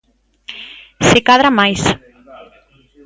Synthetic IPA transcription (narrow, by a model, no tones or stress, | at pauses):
sekaðɾamajs